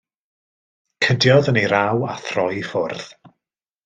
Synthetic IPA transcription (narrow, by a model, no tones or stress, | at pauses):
kʰədjɔðəniɾawa̰θrɔjfʊrð̥